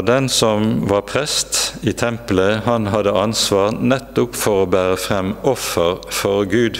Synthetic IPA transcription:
d̪ɛnsɔmʋɑːʁpʰʁɛst̪iːt̪ʰɛmpləhɑnɦɑd̪əɑnsʋɑːʁnɛt̪ːʊpfɔʁoːbæːʁəfʁɛmɔfəʁfɔʁɡʉːd̪

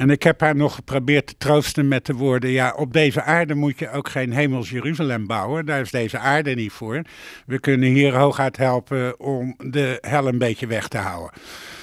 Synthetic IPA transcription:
ɛnɪkɦɛpɦaːɹnɔχːə̥prowbɪːɹtə̥trowstənmɛtəʋʊːɹdəjaʔɔb̚dejzəʔaːɹdəmucjəowkχejnɦejməlˠsjəryzalɛmbʌwəndaːɹɪzdejzəʔaːɹdənitfʊːɹʋəkɵnənɦiːɹɦowχɦɛɥtɦɛlˠpəɔmdəɦɛlˠənbejcəʋɛχtəɦɑ̰wə̰n

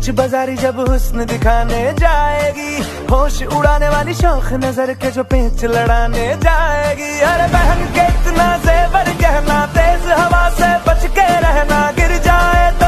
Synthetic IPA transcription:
t͡ʃʰbɐzaːɾid͡ʒɐbɦʊsnd̪ɪkʰaːned͡ʒaːeːɡiː | ɦoːʃʊɽaːneʋaːliʃɔːkʰnɐzəɾked͡ʒoːpẽːt͡ʃlɐɽaːned͡ʒaːeːɡiːɐɾebɛɦə̃ŋɡkeɪt̪naːzeːbɐɾkɐɦnaːt̪eːzɦɐʋaːsebɐt͡ʃʰkeɾɛɦnaːɡɪɾd͡ʒaːet̪oː

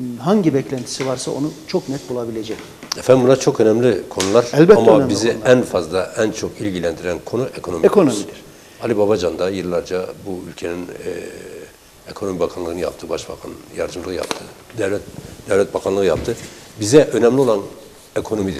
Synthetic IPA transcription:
ɦaɲɟibɛclʲænt̪ʰi̥sivaɾsaonut͡ʃʰoknɛt̪̚bulˠabilʲed͡ʒɛc | ɛfænd̪mbunat͡ʃʰo̞kø̞nɛmlʲikʰo̞nulˠaɾɛlʲbɛamːabiziænfazlˠaʔænt͡ʃʰo̞kilʲɟilʲænd̪iɾænkʰo̞nuʔekʰo̞no̞miekʰonomid̪iɾ | alʲibabad͡ʒand̪ajɯlˠːaɾd͡ʒabuylʲcʰe̞ninː | ekʰo̞no̞mibakʰanlˠɯːɯnɯja̰p̚t̪ʰɯbaʃbakʰa̰njaɾd̪ɯmlˠɯɯja̰p̚t̪ʰɯd̪ɛvlʲɛt̪̚d̪ɛvlʲɛt̪̚bakʰanlˠɯɯjapt̪ʰɯbizɛʔø̞nɛmlʲio̞lˠan | ekʰo̞no̞mid̪iɾ̥

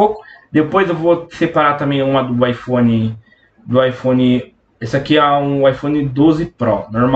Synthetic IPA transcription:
okʊd̪epojzewvosepaɾat̪ɐ̃mbẽj̃ũmɐd̪ʊajfõnɪ | d̪ʊajfõnɪ | esɪakiaũajfõnɪd̪ozɪpɾɔnoɾm

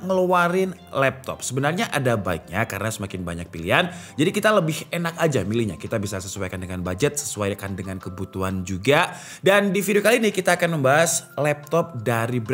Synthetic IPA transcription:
ŋəluaɾɪn | lɛp̚t̪ɔ̰p̚səbənarɲaʔadabaɪk̚ɲakaɾənasəmakɪnba̰ɲak̚pilḭɦand͡ʒadikit̪aləbɪhenakad͡ʒamilihɲa̰kit̪abisasəsuajkandəŋanbad͡ʒət̪̚sə̥suajkandəŋankəbut̪uɦand͡ʒuɡa | dandifideokalinɪhkit̪aːkanməmbaɦaslɛp̚t̪ɔp̚daɾib

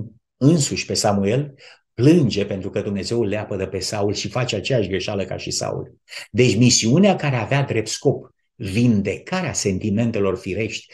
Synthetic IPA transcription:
ɨnsuʃʲpe̞samue̞l | plɨnd͡ʒe̞pe̞nt̪ɾukəd̪umne̞ze̞ulːeapəd̪əpe̞saulʃifat͡ʃeat͡ʃejaʃɡɾe̞ʃaləka̰ʃisa̰ṵl | d̪e̞t͡ʃʲmisiuneakaɾe̞avead̪ɾe̞p̚t̪sko̞p | vind̪e̞kaɾease̞nt̪ime̞nt̪e̞lo̞rfiɾe̞ʃt̪ʲ

